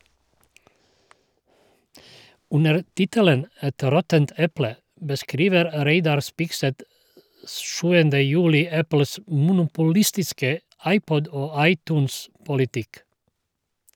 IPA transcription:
ˈʉnəɾ ˈtɪtələn ˈɛt ˈɾɔtənt ˈɛplə bəˈskɾiːʋəɾ ˈɾeɪdɑɾ ˈspɪkˌsɛt ə ˈʃʉːəndə ˈjʉːlɪ ˈæpl̩s mʊnʊpʊˈlɪstɪskə ˈɑɪˌpɔd ˈoː ˈɑɪˌtuːnspʊlɪˌtɪk

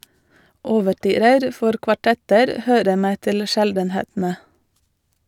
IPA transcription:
ɔʋəˈʈyːɾəɾ ˈfɔɾ kʋɑˈʈɛtəɾ ˈhøːɾə ˈmeː ˈtɪl ˈʃɛldn̩ˌheːtn̩ə

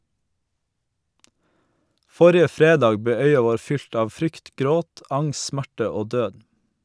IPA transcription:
ˈfɔɾɪə ˈfɾeːˌdɑːɡ ˈbeː ˈœʏɑ ˈʋoːɾ ˈfʏlt ˈɑːʋ ˈfɾʏkt ˈɡɾoːt ˈɑŋs ˈsmæʈə ˈoː ˈdøːd

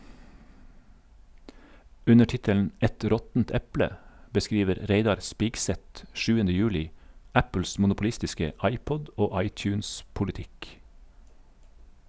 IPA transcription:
ˈʉnə ˈʈɪtəln̩ ˈɛt ˈɾɔtn̩t ˈɛplə bəˈskɾiːʋəɾ ˈɾeɪdɑɾ ˈspɪkˌsɛt ˈʃʉːəndə ˈjʉːlɪ ˈæpl̩s mʊnʊpʊˈlɪstɪskə ˈɑɪˌpɔd ˈoː ˈɑɪˌt͡ʃʉːnspʊlɪˌtɪk

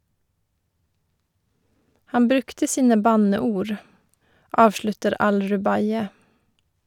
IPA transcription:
ˈhɑm ˈbɾʉktə ˈsiːnə ˈbɑnəˌuːɹ ˈʔɑːʋʃlʉtəɾ ˈɑlɹʉˌbɑɪə

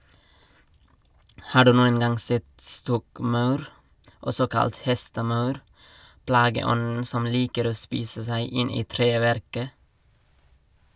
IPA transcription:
ˈhɑː ˈɖʉː ˈnuːən ˈɡɑŋ ˈsɛt ˈstɔkˌmɑʉɾ ˈɔsɔ ˈkɑlt ˈhɛstəˌmɑʉɾ ˈplɑːɡəˌɔnn̩ ˈsɔm ˈliːkəɾ ˈoː ˈspiːsə ˈsæɪ ˈɪn ˈiː ˈtɾeːˌʋæɾkə

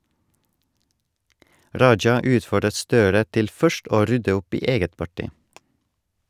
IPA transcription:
ˈɾɑɪd͡ʒɑ ˈʉːtfɔɖət ˈstøːɾə ˈtɪl ˈfœʃt ˈʔoː ˈɾʏdə ˈʊp ˈiː ˈeːɡət pɑˈʈɪ

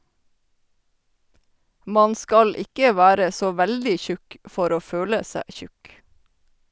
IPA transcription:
ˈmɑn ˈskɑl ˈɪkə ˈʋæːɾə ˈsoː ˈʋældɪ ˈçʉk ˈfɔɾ ˈoː ˈføːlə ˈsæː ˈçʉk

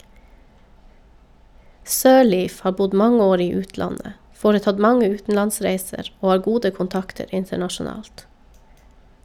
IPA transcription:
ˈsøːˌɭiːf ˈhɑː ˈbʊd ˈmɑŋə ˈoːɾ ˈiː ˈʉːtˌlɑnə ˈfoːɾəˌtɑd ˈmɑŋə ˈʉːtn̩lɑnˌsɾæɪsəɾ ˈoː ˈɑːɾ ˈɡuːdə kʊnˈtɑktəɾ ˈɪntəɳɑʃʊˌnɑːlt

